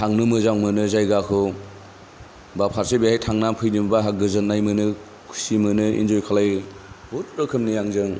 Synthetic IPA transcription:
tʰaŋnɯmɯzawmɯnɯzajɡakʰɯ | bapʰaɾsebehajtʰaŋnampʰɯjnimbaɦak̚ɡɯzɯnːajmɯnɯ | kʰu̥simɯnɯḭnd͡ʒojkʰalajbut̚ɾɯkʰɯmnijaŋzɯŋ

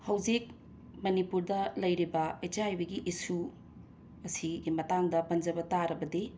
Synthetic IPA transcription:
hɐwd͡ʒik̚ | mɐnipuɾdɐlɐjɾibɐet͡ʃajbɐɡiʔisu | ɐsiɡimɐtaŋdɐpɐnd͡ʒɐbɐtaɾɐbɐdi

